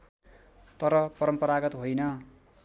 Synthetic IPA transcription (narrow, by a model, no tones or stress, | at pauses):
t̪ʌɾʌpʌɾʌmpʌɾaɡʌt̪ɦojnʌ